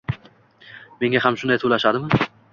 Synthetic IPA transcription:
me̞ŋahamʃʊnd̪ajt̪ʰolaʃad̪ɪmɪ

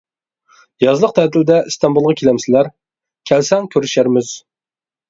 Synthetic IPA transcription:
jɑzlˠəq̚t̪ʰɛt̪ʰɪld̪ɛɨst̪ʰɑnbulˠʁɑkʲʰelɛmsɪlæɾ | kʲʰɛlsɛŋkʲʰøɾyʃæɾmɪz̥

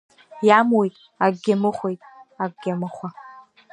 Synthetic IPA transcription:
jamwojtʼ | aɡɡʲamɨχʷejtʼaɡɡʲamɨχʷa

